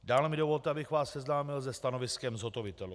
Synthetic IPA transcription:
daːlɛmɪdovo̞lt̪ɛabɪxvaːssɛznaːmɪlzɛst̪ano̞vɪskɛmzɦo̞t̪ovɪt̪ɛlu

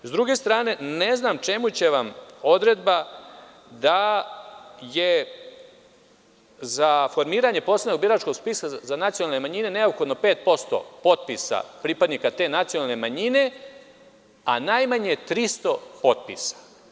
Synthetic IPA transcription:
zd̪ɾuɡe̞st̪ɾaːne̞neznamt͡ʃe̞mut͡ɕe̞ʋamo̞d̪ɾe̞d̪ba | d̪a | je | zafo̞ɾmiːɾaɲe̞poslenoɡ̚biɾat͡ʃko̞ɡspiːsazanat̪sijonalne̞maɲine̞ne̞opxo̞d̪no̞pe̞ːt̪̚po̞st̪o̰po̞t̪̚pisa̰pɾipad̪nikat̪e̞ːnat̪sionalˠne̞maɲine | a̰najmaɲet̪ɾist̪o̞po̞t̪̚pḭsḁ

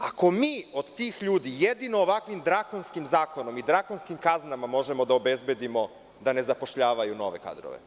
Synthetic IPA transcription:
ako̞miːo̞d̪t̪iːxʎuːd̪ijed̪inoːʋakʋimd̪ɾako̞nskimzaːko̞no̞mid̪ɾako̞nskimkaznamamo̞ʒemo̞d̪aobe̞zbe̞d̪imo̞ | d̪ane̞zapo̞ʃʎaːʋajuno̞ʋe̞̰ka̰ːd̪ɾo̰ʋḛ

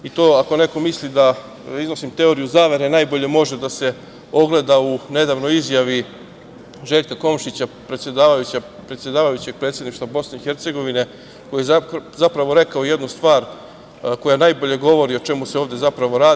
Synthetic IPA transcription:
it̪o̞ːako̞ne̞ko̞mislid̪a | izno̞simt̪e̞o̞ɾijuzaːʋe̞ɾenajbo̞ʎe̞mo̞ʒe̞d̪ase̞ | o̞ɡle̞d̪aune̞d̪aʋno̞jizjaʋi | ʒe̞ʎkako̞mʃit͡ɕapɾet̪sʲje̞d̪aːʋajut͡ɕapɾe̞t̪sjed̪aːʋajut͡ɕe̞ɡ̚pɾet̪sjed̪niʃt̪ʋabo̞sne̞ixe̞ɾt̪se̞ɡo̞ʋine̞ | kojijazapɾaʋo̞ɾe̞kaojed̪nust̪ʋaːɾ | ko̞janajbo̞ʎe̞ɡo̞ʋo̞ɾio̞t͡ʃe̞museoʋd̪e̞zapɾaʋo̞ɾaː

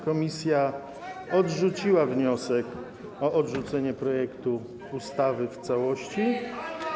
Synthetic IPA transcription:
kɔmʲisʲja | ɔdʐut͡ɕiwavɲɔsɛk | ɔʔɔdʐut̪sɛɲɛpɾɔjɛkt̪u | ust̪avɘft̪sawɔɕt͡ɕi

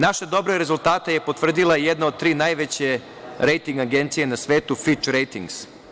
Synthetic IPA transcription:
naʃed̪o̞bɾeɾezulˠt̪aːt̪eje̞po̞t̪ʋr̩d̪ilˠajed̪nao̞d̪̚t̪ɾiːnajʋet͡ɕe̞ | ɾe̞jt̪iŋɡaɡe̞nt̪sije̞nasʋe̞ːt̪ufit͡ʃɾejt̪iŋɡs

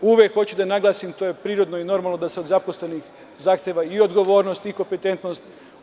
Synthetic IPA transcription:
uʋʲjekxo̞t͡ɕud̪anaɡlˠaːsimt̪o̞je̞pɾiːɾo̞d̪noino̞ɾmaːlˠnod̪aseod̪zaposle̞nix | zaːxt̪ʲjeʋaio̞d̪ɡo̞ʋo̞ːɾnost̪iko̞mpet̪e̞nt̪nost̪

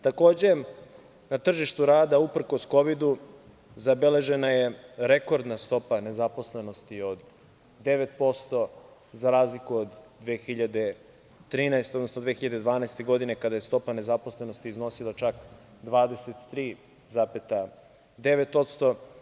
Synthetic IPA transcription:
t̪ako̞ːd͡ʑe̞ | nat̪r̩ʒiʃt̪uɾaːd̪aupr̩ko̞sko̞ʋid̪u | zabele̞ʒe̞najeɾe̞ko̞ɾd̪nast̪o̞pane̞zapo̞sle̞no̞st̪io̞d̪ː | e̞ʋet̪̚po̞st̪o̞ | zaɾaːzlikuod̪ːʋeːxiʎad̪e̞ | t̪ɾiːnaest̪eonosnod̪ʋexiʎad̪e̞d̪ʋaːnaest̪e̞ɡo̞d̪ine̞kad̪aje̞st̪o̞pane̞zapo̞slˠe̞no̞st̪iːzno̞silˠat͡ʃak | d̪ʋaːd̪eset̪ːɾiː | zapet̪a | d̪e̞ʋet̪o̞t̪st̪o̞

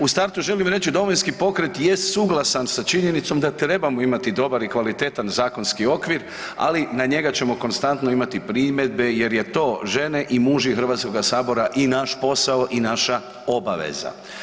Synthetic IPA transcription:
ust̪aɾt̪uʒe̞limɾe̞t͡ʃid̪o̞ʋojnskipo̞kɾet̪jest̪suɡlˠasansat͡ʃiɲe̞nit̪so̞md̪at̪ɾe̞bamoimat̪id̪o̞baɾikʋalit̪e̞t̪anzaːko̞nskio̞kʋiɾ | a̰linaɲe̞ɡat͡ɕe̞mo̞ko̞nst̪ant̪no̞imat̪ipɾimed̪̚be̞je̞ɾje̞t̪o̞ːʒe̞ne̞ʔimuʒixr̩ʋaːt̪ko̞ɡasaːbo̞ɾaʔinaʃpo̞saoʔinaʃa | o̞baʋḛza̰

